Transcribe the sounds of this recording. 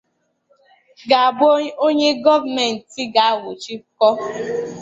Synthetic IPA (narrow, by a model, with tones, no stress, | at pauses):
ɡa˨a˨bo˦ɲe˦ɡɔ˦vmɛ˨n̩˨ti˦ɡa˨a˦wʊ˨t͡ʃi˦kɔ˦